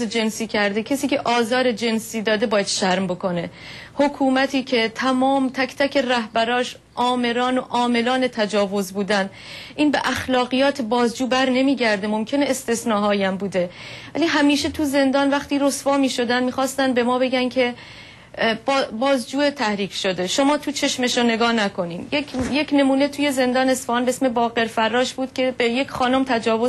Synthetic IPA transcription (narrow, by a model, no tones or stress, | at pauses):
ed͡ʒe̞nsiːcʰæɾd̪ecʰesiːcʰe̞ʔɒːzɒːɾed͡ʒe̞nsiːd̪ɒːd̪e̞bɒːjæd̪̥ʃæɾmbo̞kʰo̞ne̞hokʰuːmæt̪ʰiːcʰe̞t̪ʰæmɒːmt̪ʰækt̪ʰæcʰe̞ræhbæɾɒːʃ | ʔɒːme̞ɾɒːnoʔɒːme̞lɒːne̞t̪ʰæd͡ʒɒːvo̞zbuːd̪æn | ʔiːnbe̞ʔæxlɒːɣijɒːt̪ʰebɒːzd͡ʒuːbæɾne̞miːɟæɾd̪emo̞mcʲʰe̞neest̪e̞snɒːɦɒːjæmbuːd̪e̞væliːɦæmiːʃe̞t̪ʰuze̞nd̪ɒːnvæχt̪iːɾo̞sfɒːmiːʃo̞d̪ænmiːxɒːst̪ænbe̞mɒːbe̞ɟænkʰe̞ | bbɒːzd͡ʒuːet̪ʰæhɾiːkʰʃod̪e̞ʃomɒːt̪ʰut͡ʃʰe̞ʃmeʃone̞ɡɒːnækʰo̞niːd̪jekjecʰne̞muːne̞t̪ʰuːje̞ze̞nd̪ɒːnesfɒːnbeesme̞bɒːɣe̞ɾfærːɒːʃbuːd̪̥cʲʰe̞beje̞cʰxɒːno̞mt̪ʰæd͡ʒɒːvo